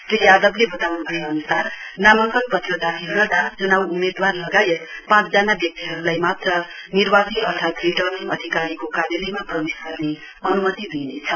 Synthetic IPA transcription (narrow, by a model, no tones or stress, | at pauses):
prijad̪ʌblebʌt̪awnubʱʌeʌnusarnamʌŋkʌnpʌt̪iod̪aɦʰiɾʌd̪at͡sunawumed̪warlʌɡajet̪pãt͡sd͡zanabjʌk̚t̪iɦʌɾulajmat̪rʌnirbasiʌrt̪ʰat̪riʈʌniʌ̰d̪ʱikaɾikokaɾjʌlimaprʌmisɡʌrne | ʌnumʌt̪id̪ʱinet͡sʰʌ